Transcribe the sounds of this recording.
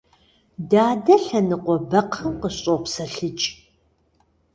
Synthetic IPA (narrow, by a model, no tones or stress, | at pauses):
daːdɐɬɐnɨqʷɔbɐqʰɐmqəɕʼopsɐɬɨt͡ʃʼ